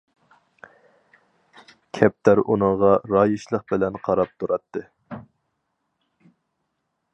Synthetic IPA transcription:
kʲʰɛp̚t̪ʰæɾʔunɨɴʁɑɾɑːjɨʃlˠəq̚bɪlɛnqʰɑɾɑp̚t̪ʰuɾɑt̪ʰːɨ

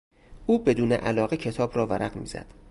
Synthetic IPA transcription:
ʔuːbe̞d̪uːnḛʔælɒːɣecʰe̞t̪ʰɒːbrɒːvæɾʔæɢmḭːz̥æ̰d̪̥

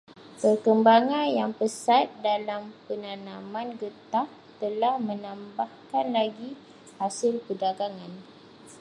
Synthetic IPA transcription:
pərkəmbaŋanjaŋpəsat̪̚dalampənanãmãnɡət̪ah | t̪əlahmə̃nãmbahkanlaɡi | hasɪlpədaɡaŋãn

